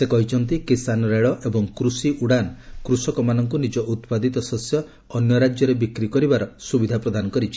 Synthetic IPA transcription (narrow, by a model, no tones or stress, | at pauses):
sekɔɦit͡ʃʰɔnt̪ikisanɔɾeɭɔʔebɔŋkɾusiʔuɽanɔkɾusɔkɔmanɔŋkunid͡ʒɔʔut̪pad̪ʱit̪ɔsɔsjɔː | njɔɾad͡ʒjɔɾebikɾikɔɾibaɾɔsubid̪ʱapɾɔd̪ʱanɔkɔɾit͡ʃʰi̥